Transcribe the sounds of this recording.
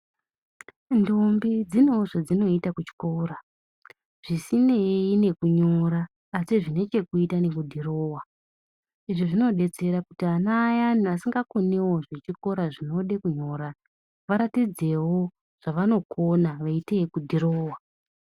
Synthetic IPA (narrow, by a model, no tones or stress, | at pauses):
ndombid͡zino̞ʐad͡zino̞itakut͡ʃi̥ko̞ːɾa | ʐ̥isineine̞kuɲoɾaː | siʐine̞t͡ʃe̞kuitane̞kudʱiroːwa | iʐiʐino̞ɗe̞t͡se̞ɾakutianajanasiŋɡakone̞wo̞ʐet͡ʃiko̞ɾaʐino̞ɗekuɲo̞ːɾa | ʋaɾatid͡ze̞wo̞ | ʐ̥aʋano̞kʰo̞naʋaiteikudʱiɾoːwa